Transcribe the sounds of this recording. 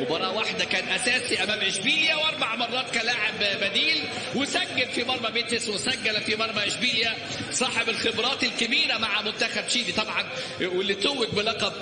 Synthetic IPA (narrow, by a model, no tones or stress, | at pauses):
webɑɾˤɑːwaħd̪ækæːnʔæsæːsiʔæmæːmʔʕɪʃbiːljæwʔɑɾˤbaʕmɑrˤːɑːt̪kælaʕebbæd̪iːl | wɪsæɡːælfimɑɾˤbɑbeːt̪eswesæɡːælæfimɑɾˤbɑʔɪʃbiːljæ | sˤɑːħebelxebɾˤɑːt̪elkɪbiːɾæmaʕamʊt̪ːæxæbʃiːd̪it̪ˤɑbʕɑn | welːit̪owːek̚bɪlɑqɑb̚